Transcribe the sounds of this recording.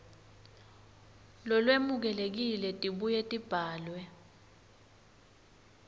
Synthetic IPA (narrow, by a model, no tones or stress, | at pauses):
lɔlwemuk̬ɛlek̬ilɛtʼiɓujetʼib̥ʱaːlwɛ